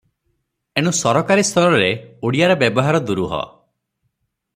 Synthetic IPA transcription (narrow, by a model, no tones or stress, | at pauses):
eɽ̃usɔɾɔkaɾist̪ʰɔlɔɾeuɽijaɾɔbjɔbɔɦaɾɔd̪uɾuɦɔ̰